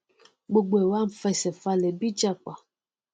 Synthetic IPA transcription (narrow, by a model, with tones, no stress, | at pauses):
ɡ͡bo˨ɡ͡be˨wa˦m̩˨fɛ˦sɛ˨fa˦le˨bi˦d͡ʒa˦k͡pa˨